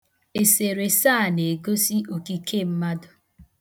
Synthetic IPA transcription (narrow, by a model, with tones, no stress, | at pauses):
e˨se˨ɾe˨saː˦˨ne˨ɡo˦si˦o˨ki˦kʰe˦˨m̩˦ma˦dʊ˨